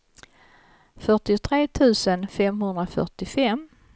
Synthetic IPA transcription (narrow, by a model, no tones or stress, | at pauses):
fœʈɪʊt̪ʰɾeːt̪ʰʉ̟ːsənfɛmhɵnd̪ɾafœ̰ʈɪfɛm